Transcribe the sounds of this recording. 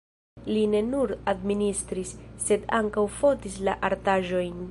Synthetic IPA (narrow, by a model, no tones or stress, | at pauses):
line̞nuɾadministɾisːe̞da̰ŋkawfo̞tislaʔaɾtaʒo̞jn